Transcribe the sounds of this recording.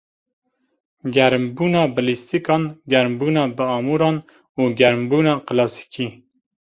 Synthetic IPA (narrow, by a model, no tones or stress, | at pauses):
ɡʲɛɾmbuːnɑːbɨlist̪ikɑːnɡɛɾmbuːnɑːbəɑːmuːɾɑːn | uːɡɛɾmbuːnɑːqɨlɑːsi̥kʰiː